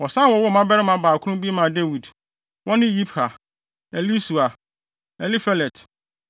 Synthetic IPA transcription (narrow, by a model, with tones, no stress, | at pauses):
wɔ˨sã˦˨wɔ˦wɔ˦˨mã˦bɛ˦ɾɪ˦mã˨baː˨kʰʊ̃˦ʊ̃˦mbi˦e˦mã˨de˦wi˨d | wʔɔ̃˦nɪ̃˦ji˦pʰa˨ | ɛ˨li˦su˨a˨ | ɛ˨li˦fɛ˦lɛ˨tʰ